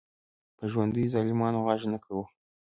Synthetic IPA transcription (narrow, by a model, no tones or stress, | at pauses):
pəʒwand̪əjzɑlimɑnoʁɑʒnakʰawu